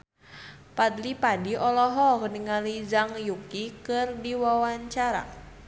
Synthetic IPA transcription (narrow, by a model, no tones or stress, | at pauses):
pad̪lipadiʔɔlɔɦɔkniŋalid͡ʒaŋjukikɨrdiwawaɲt͡ʃaɾa̰